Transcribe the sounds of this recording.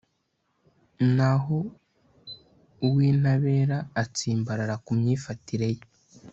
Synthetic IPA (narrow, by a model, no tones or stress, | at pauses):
naɦo | uwiːnaβe̞ɾaːt͡siːmbaɾaɾakumɲiːfatiɾe̞je